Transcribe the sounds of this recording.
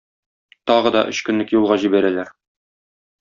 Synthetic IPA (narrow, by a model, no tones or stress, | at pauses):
t̪ɒʁɤ̆d̪ɒ̰ʔɵ̆ɕkɵ̆nlɘkjulˠʁɑʑibæɾælæɾ